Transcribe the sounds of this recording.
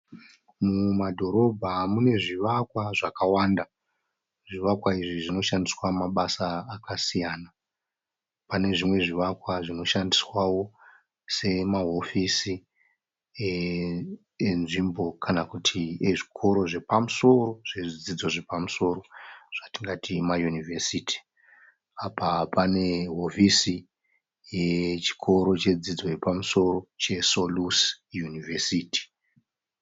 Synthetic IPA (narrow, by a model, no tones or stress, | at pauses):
mumadʱo̞ɾo̞bʱamune̞ʐiʋakwaʐakawaːnda | ʐiʋakwaiʐiʐino̞ʃandiswamaɓasaːkasijaːna | pane̞ʐimwe̞ʐiʋakwaʐino̞ʃandiswawo̞ | se̞maɦo̞fisi | e | enʐimbo̞kʰanakutʰieʐikʰo̞ɾo̞ʐe̞pamuso̞ro̞ʐ̥eʐid͡zid͡zo̞ʐe̞pamuso̞ɾo̞ʐ̥atiŋɡatʰimajunivʱesiti̥ | apapane̞ɦofisi | jet͡ʃi̥kʰo̞ɾo̞t͡ʃe̞d͡zid͡zo̞jepamuso̞ro̞t͡ʃe̞solus | junivʱesiːti̥